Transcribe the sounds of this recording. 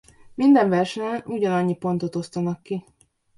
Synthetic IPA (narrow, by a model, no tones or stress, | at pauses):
mind̪ɛɱvɛrʃɛɲɛnuɟɒnɒɲːipo̞nt̪o̞t̪o̞st̪ɒnɒkːi